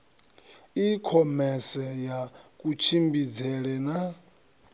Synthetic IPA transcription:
ikʰɔmɛsɛjakʼut͡ʃʰimbid͡zɛɺɛna

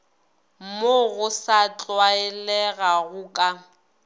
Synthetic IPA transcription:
moɣʊsat͡ɬʼwaɛlɛɣaɣʊkʼa

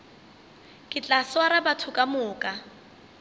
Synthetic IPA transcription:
kʼɪt͡ɬʼaswaɾabatʰʊkʼamʊːkʼa

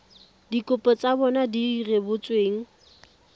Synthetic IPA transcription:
dikʼʊpʼɔt͡sʼabɔnadirebʊt͡sʼweːŋ̩

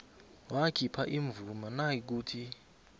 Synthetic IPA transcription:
wakʰipʰaʔiɱvumanajik̬uːtʰi

